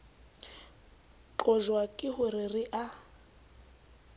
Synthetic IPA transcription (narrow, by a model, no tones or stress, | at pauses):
ǃɔʒwakʼɪhʊrɪrɪʔa